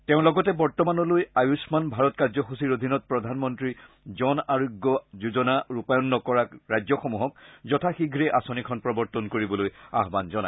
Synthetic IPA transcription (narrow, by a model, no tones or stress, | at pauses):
teʊ̃lɔɡɔtɛbɔɹtɔmanɔlojajusmanbʱaɹɔtkaɹzɔxusiɹodʱinɔt̚pɹɔdʱanmɔntɹi | zɔnaɹoɡːɔzuzɔnaɹupajɔnːɔkɔɹaɹajzɔxomuɦɔk̚zɔtʰaxiɡʱɹɛʔasonikʰɔnpɹɔbɔɹtɔnkoɹibɔloja̰ɦbanzɔna̰j